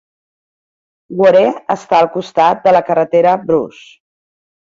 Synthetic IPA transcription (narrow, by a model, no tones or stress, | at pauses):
ɡwəɾeəst̪aəlˠkust̪at̪̚d̪ələkərət̪eɾəbɾṵs